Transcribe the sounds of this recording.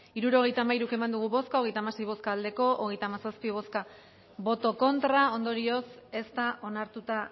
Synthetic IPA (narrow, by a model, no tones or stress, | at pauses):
iɾuɾo̞ɣ̞ejt̪aːmaiɾuke̞mand̪uɣ̞uβo̞skaoɣe̞jt̪amase̞jβo̞skaːld̪e̞ko̞ʔoɣe̞jt̪aːmasaspiβ̞o̞ska | βo̞t̪o̞ko̞nt̪ɾao̞nd̪o̞ɾio̞se̞st̪aʔo̞naɾt̪ut̪a